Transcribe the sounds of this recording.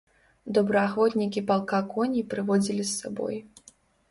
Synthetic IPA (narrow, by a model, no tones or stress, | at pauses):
d̪ɔbɾɐaxvɔt̪nʲikʲipalˠkakɔnʲipɾɨvɔd͡zʲilʲisːabɔ̰j